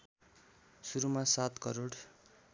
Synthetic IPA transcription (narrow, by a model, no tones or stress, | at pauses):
suɾumasat̪kʌɾoɽ